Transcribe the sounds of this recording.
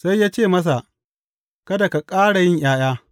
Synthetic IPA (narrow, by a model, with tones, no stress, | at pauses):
sa˦jːaː˦t͡ʃeː˦˨mɐ˦s̬a˨ | kɐ˦da˨ka˨kʼaː˦ɽa˨jɪ˦ɲj̰aː˦j̰aː˦